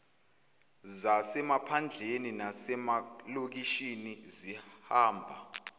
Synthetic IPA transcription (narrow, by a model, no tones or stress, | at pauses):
zasɛmapʰand͡ɮʱeninasɛmalok̬iʃinizihaːmbʱa